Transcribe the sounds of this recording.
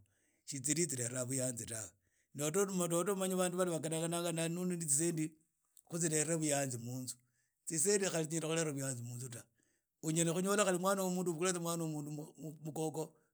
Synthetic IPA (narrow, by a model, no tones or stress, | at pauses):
ʃit͡siɾit͡sileraβujaːnzitawe | notomototomaɲaβaːnduβaliβakanaŋɡanaːŋɡananuninit͡sis̬eːndi | xut͡sile̞ɾeβujaːnzimuːnu̥ | t͡sis̬endixalit͡siɲindexulereβujaːnzimuːnzuta | uɲenexuɲolaxalimwaːnowomuːnduβukulet͡semwaːnomuːndumukoko